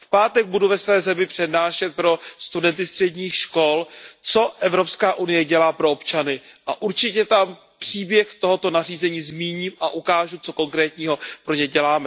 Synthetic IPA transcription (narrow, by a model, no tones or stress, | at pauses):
fpaːt̪ɛɡ̚buduvɛsvɛːzɛmɪpr̝̥ɛdnaːʃɛt̪̚pɾo̞st̪udɛnt̪ɪst̪r̥ɛɟɲiːxʃko̞lt͡so̞ʔɛvɾo̞pskaːʔunɪjɛɟɛlaːpɾo̞opt͡ʃanɪʔaʔuɾt͡ʃɪcɛt̪am | pr̝̥iːbjɛxt̪o̞ɦo̞t̪o̞nariːzɛɲiːzmiːɲiːmʔaʔukaːʒut͡so̞ko̞ŋkɾɛːt̪ɲiːɦo̞pɾo̞ɲɛɟɛlaːmɛ